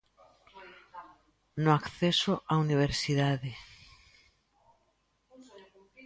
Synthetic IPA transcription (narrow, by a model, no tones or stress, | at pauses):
nʊakθesʊʔauniβ̞eɾsiðaðɪ